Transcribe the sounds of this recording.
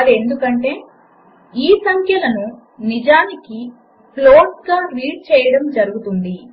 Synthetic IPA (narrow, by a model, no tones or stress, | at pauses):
ɐle̞nd̪ukɐɳʈe̞ː | iːsɐŋkʰjɐlɐnu | nid͡ʒaːniki | ploːʈɡaːɾiːɖ̚t͡ʃɛːjɐɽɐmd͡ʒɐɾuɡut̪und̪i